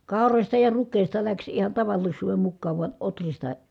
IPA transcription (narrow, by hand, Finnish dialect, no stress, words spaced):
kɑˑorosʲtɑ jɑ rukˑeˑi̯stɑ læks ihɑn tɑʋɑlːisˑuːʋem mukːɑːʋ ʋuɑ ʔotristɑ